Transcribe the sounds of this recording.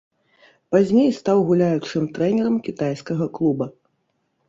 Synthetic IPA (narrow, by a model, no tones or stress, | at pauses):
pazʲnʲejst̪awɣulʲajut͡ʂɨmt̪ɾɛnʲɛɾɐmkʲit̪ajskɐɣɐklˠubɐ